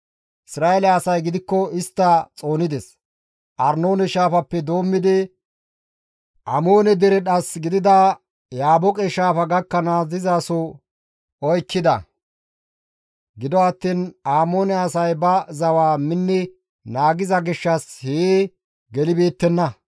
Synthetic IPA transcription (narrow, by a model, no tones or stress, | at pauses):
ʔɪsɾaːelɐːsɐjɡɪd̪ɪkːɔɪst̪ːɐt͡sʼo̞ːnɪd̪ɛs | ʔɐ̰ɾno̞ːnɛʃaːfɐpːɛd̪o̞ːmːɪd̪ɪ | ʔɐmo̞ːnɛd̪ɛɾɛɗɐsɡɪd̪ɪd̪ɐ | jaːbɔkʼɛʃaːfɐɡɐkːɐnaːzɪzasɔ | ɔjkːɪd̪ɐ̰ | ɡɪd̪ɔɐt̪ːiːnaːmo̞ːnɛɐsɐjbɐzɐwaːmɪnːɛ | naːɡɪzɐɡɪʃːɐsheː | ɡɛlɪbe̞ːt̪ːɛnːɐ